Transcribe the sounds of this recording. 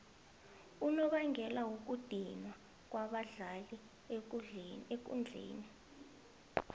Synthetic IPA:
unɔɓaŋʱɛlawuk̬ud̥ʱinwa | k̬waɓaɮali | ek̬ṵnd͡ɮʱḛːni

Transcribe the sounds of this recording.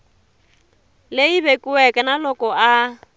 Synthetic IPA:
leibekʼuɛkʼɛnalɔkʼɔa

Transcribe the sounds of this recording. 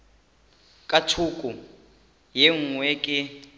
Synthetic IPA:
kʼatʰukʼu | jɛŋ̩ŋwɛkʼɪ

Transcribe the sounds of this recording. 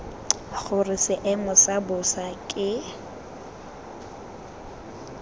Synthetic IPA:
χʊrɪsɪʔɛmʊsabʊsakʼɪ

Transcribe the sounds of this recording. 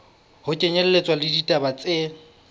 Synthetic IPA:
hʊt͡ʃʼɛɲɛl̩let͡sʼwalɪditʼabat͡sʼe

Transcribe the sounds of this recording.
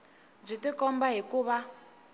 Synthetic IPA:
b͡ʐʷitikɔmbaɦikuβa

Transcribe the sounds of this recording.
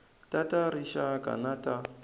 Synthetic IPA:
tʼataɾiʃakʼa̰natʼa

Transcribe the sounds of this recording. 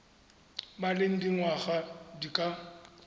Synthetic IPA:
maleŋ̩diŋwaχadikʼa

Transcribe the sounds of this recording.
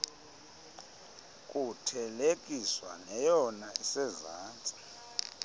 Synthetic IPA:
kʼutʰɛlekʼiswa̰nɛjɔnaisɛzaːnt͡sʼi̥

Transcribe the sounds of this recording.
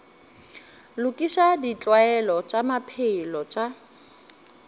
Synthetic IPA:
lʊkʼiʃadit͡ɬʼwaɛlɔt͡ʃʼamapʰeilɔt͡ʃʼa

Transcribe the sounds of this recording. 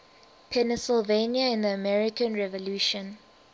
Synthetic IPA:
pʰɛnɛsɪlvenjaɪ̃nðəəmɛɹikə̃nɹɛvɔluːʃɔ̃n

